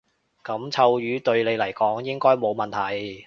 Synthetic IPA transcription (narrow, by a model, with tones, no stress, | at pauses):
kɐ˨˥mt͡sʰɐ˧wjyː˨˧˥t̪ɵ˧ɥle˨˧jlɐ˨˩jkɔː˨˥ŋjɪ˥ŋkɔː˥jmo˨˧wmɐ˨nt̪ʰɐ˨˩j